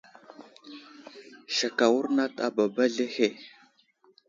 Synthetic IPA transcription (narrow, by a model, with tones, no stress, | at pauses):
ʃa˨ka˨wu˦ɾna˦ta˨ba˨ba˦ɮe˦he˦˨